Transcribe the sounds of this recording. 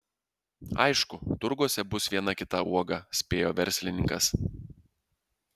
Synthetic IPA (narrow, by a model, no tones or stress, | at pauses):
ɐ̰ɪʃkʊt̪ʊɾɡuɔsʲɛbʊsʋʲiɛnɐkʲɪt̪ɐʔuɔɡɐsʲpʲeːjoːʋʲɛɾʲsʲlʲɪnʲɪ̰̃ŋkɐs